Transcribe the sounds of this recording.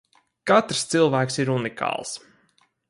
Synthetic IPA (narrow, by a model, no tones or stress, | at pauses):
kat̪ɾst̪silˠvæːksiɾunikʰɑ̰ːlˠs